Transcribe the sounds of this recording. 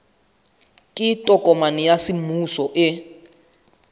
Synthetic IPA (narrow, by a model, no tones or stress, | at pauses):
kʼitʼɔkʼɔmanijasimusɔʔɪ